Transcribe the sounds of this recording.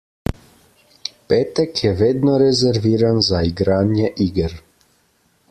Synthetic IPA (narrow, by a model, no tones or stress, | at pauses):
peːt̪ɛkjɛʋeːd̪nɔɾɛzɛɾʋiːɾanzaiɡɾaːnjɛʔiːɡɛɾ